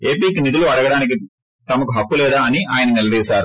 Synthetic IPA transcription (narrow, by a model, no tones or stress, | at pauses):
eːpiːkinid̪uluɐɽɐɡɐɽaːnik̬i | t̪ɐmɐkuɦɐkːulɛːd̪aːɐniʔaːjɐnɐnilɐd̪iːsaːɾu